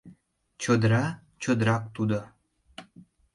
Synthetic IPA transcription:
t͡ɕod̪ɾɑ | t͡ɕod̪ɾɑk̚t̪ud̪ŏ

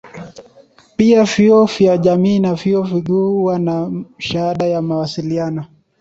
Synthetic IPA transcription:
piaviɔvjaʄamiːnaviɔviɠuːwanaʃahaɗajamawasilianɔ

